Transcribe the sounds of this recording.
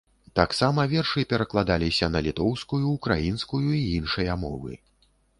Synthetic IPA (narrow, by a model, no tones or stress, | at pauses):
t̪aksamɐvʲɛrʂɨpʲɛɾɐklˠad̪alʲisʲɐnɐlʲit̪ɔwskujuːkɾa̰jinskujuiinʂɐjɐmɔ̰vɨ̰